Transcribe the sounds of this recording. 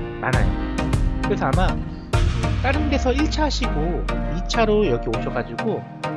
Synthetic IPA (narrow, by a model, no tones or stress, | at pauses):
mana̰jo̰kɯɾe̞sʰʌama | ɯt͈aɾɯnde̞sʰʌiɭt͡ɕʰaɦaɕʰiɡoit͡ɕʰaɾojʌɡiop̚ɕʰʌɡad͡ʑiɡo